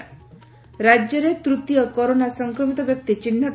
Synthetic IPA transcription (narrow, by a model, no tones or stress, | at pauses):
ɾad͡ʒjɔɾet̪ɾut̪ijɔkɔɾonasɔŋkɾɔmit̪ɔbjɔk̚t̪it͡ʃinːa